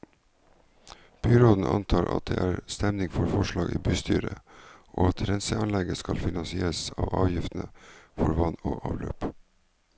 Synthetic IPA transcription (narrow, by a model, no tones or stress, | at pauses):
b̥yːɾoːd̪n̩ʔɑnt̪ʰɑːɾʔɑ̰t̪̚d̪ḛːʔæːɾst̪ɛmnɪŋfɔɾfɔʃɭɑːɡiːbyːst̪ʰyːɾəʔoːɑt̪ɾɛnsəɑnlɛɡəskɑlfɪnɑnsɪeːɾsɑːʋɑːʋjɪft̪n̩əfɔɾʋɑno̰ːʔɑːʋløːp